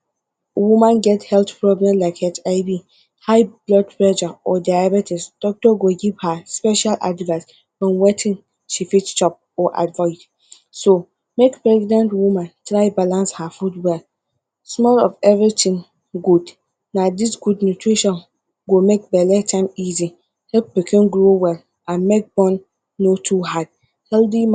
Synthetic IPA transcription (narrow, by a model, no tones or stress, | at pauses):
wumãnɡɛthɛltpʰɹɔblɛ̃mlaɪkɛt͡ʃaɪbi | haɪblɔd̚pʰlɛʃaɔdajabɛtʰɪsd̥ɔk̚tɔɡoɡiv̥haspɛʃalʔa̰dvas | fɔ̃nwɛtʰɪ̃n | ʃifitt͡ʃɔp̚ɔʔa̰dvaɪt | so | mekpʰɹɛɡnãntwumãntʰɾaɪbalãnshafudwɛl | smɔlɔ̰fɛvɹitʰɪ̃ŋ | ɡud | nãdisɡudnutʰɹiʃɔ̃n | ɡomek̚bɛlɛtʰãɪ̃mizi | hɛp̚bɛkʰɪ̃nɡɾowɛl | ãnmek̚bɔ̃nː | otʰuɦad̥̚ | hɛldi